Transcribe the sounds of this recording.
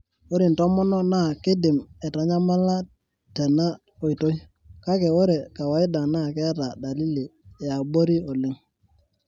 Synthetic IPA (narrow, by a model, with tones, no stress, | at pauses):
o˦ɾi˨n˨tɔ˦mɔ˦nɔ˦na˦˨kɪ˦dɪ˨mɛ˨ta˨ɲa˦ma˦la˦ | tɛ˨na˦ | o˨i˨to˦j | ka˦kɛ˨o˦ɾɛ˨ka˨wa˨˦ɪ˦da˨na˦˨kɛ˦a˦ta˨da˨li˦li˨ɛ˨a˨bo˦ɾi˦ɔ˨lɪ˦ŋ